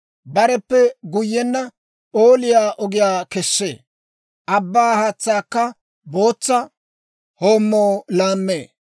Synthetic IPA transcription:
bɐɾɛpːɛɡʊjːɛnːɐ | oːlɪjaːʔɔɡɪjaːkɛsːḛː | ʔɐbːaːhat͡sːaːkːɐ | bo̞ːt͡sːɐ | ho̞ːmːoːlaːmːeː

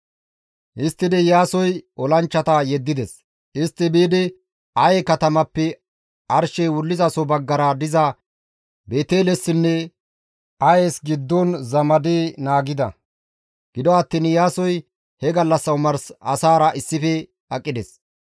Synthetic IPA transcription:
ʔɪst̪ːɪd̪ɛjaːsɔjʔɔlɐnt͡ʃːɐt̪ɐjɛd̪ːɪd̪ɛs | ɪst̪ːɪbiːd̪ɪ | ɐjɛkɐt̪ɐmɐpːɛ | ɐɾʃɛjwʊlːɪzɐsɔbɐɡːɐɾɐd̪ɪzɐ | beːt̪eːlɛsːɪnːɛ | ɐjeːsɡɪd̪ːɔnzɐmɐd̪inaːɡɪd̪ɐ | ɡ̥ɪd̪ɔɐt̪ːɪnjaːsɔj | hɛɡɐlːɐsːɐwʊmɐɾsɐsaːɾɐʔɪsːɪfɛ | ɐkʼːɪd̪ɛs

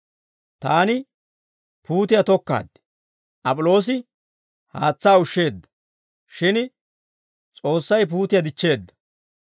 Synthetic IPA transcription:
t̪aːnɪ | puːt̪ɪjɐt̪ɔkːa̰ːd̪ɛ̥ | ʔɐpʼʊlo̞ːs̬ɪ | ha̰ːt͡sːaːʊʃːe̞ːd̪ːɐ̥ | ʃɪn | t͡sʼo̞ːsːɐjp̬uːt̪ɪjɐd̪ɪt͡ʃːe̞ːd̪ːɐ̥

